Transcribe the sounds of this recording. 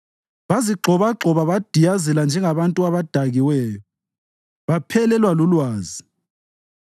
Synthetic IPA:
βaziɡ͡ǃʱɔβaǁʱɔβaβad̥ʱijazɛland͡ʒʱɛŋaβantʼuaβad̥ʱaɣiwɛːjɔ | βapʰɛlɛlwalulwaːzi

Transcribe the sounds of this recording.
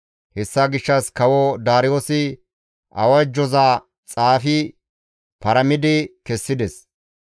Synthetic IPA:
hɛsːaɡɪʃːɐskɐwɔd̪aːɾɪjoːsɪ | ʔɐ̰wɐd͡ʒːɔzaː | t͡sʼaːfɪ | pɐɾɐmɪd̪ɪkɛsːɪd̪ɛs

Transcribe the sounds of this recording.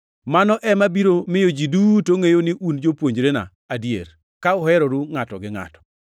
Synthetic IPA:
manɔʔɛmabiɾomɪjod͡ʒidutoŋejonɪʔund͡ʒopwoɲd͡ʒɾena̰ːdjḛɾ | kaʊɦɛɾɔɾuŋatɔ̰ɡɪŋa̰tɔ̥

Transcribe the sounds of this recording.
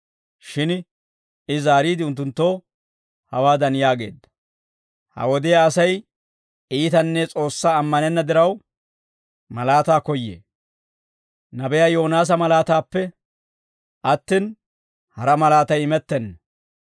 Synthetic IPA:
ʃɪn | ɪzaːɾiːd̪ɪʊnt̪ːʊnt̪ːo̞ː | hɐwaːd̪ɐnjaːɡe̞̰ːd̪ːɐ̥ | hɐ̰wɔd̪ɪjaːsɐj | iːt̪ɐnːɛt͡sʼo̞ːsːaːmːɐnɛnːɐd̪ɪɾɐw | mɐlaːt̪aːkɔjːḛː | nɐbɛjaːjo̞ːnaːs̬ɐmɐlaːt̪aːpːɛ | ʔɐt̪ːɪn | hɐɾɐmɐlaːt̪ɐjɪmɛt̪ːɛnːɐ

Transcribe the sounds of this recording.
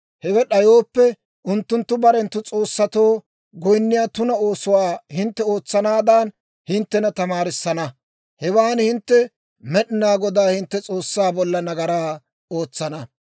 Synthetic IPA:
hɛwɛɗɐjo̞ːpːɛ | ʊnt̪ːʊnt̪ːʊbɐɾɛnt̪ːʊt͡sʼo̞ːsːɐt̪o̞ː | ɡɔjnːɪjaːt̪ʊnɐo̞ːsʊwaːhɪnt̪ːɛo̞ːt͡sːɐnaːd̪aːn | hɪnt̪ːɛnɐt̪ɐmaːɾɪsːɐnɐ | hɛwaːnhɪnt̪ːɛ | mɛɗɪnaːɡɔd̪aːhɪnt̪ːɛt͡sʼo̞ːsːaːbɔlːɐnɐɡɐɾaː | oːt͡sːɐnɐ

